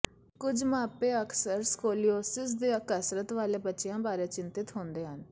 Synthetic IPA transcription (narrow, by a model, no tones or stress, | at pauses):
kʊd͡ʒmaːpeːəkʰsəɾskoːlioːsɪs̬d̪eːəkəsɾət̪ʋaːleːbətːʃɪjãːbaːɾeːt͡ʃɪnt̪ɪt̪ɦõːnd̪eːɦən